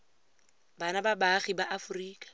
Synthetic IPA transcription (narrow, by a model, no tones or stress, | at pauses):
banababaχibaʔafʊriːkʼḁ